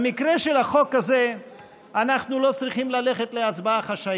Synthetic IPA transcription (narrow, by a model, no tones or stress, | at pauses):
mikʁeʃelaχo̞kaze | anaχnulo̞t͡sʁiχimlaleχet̪leat͡sbaaχaʃa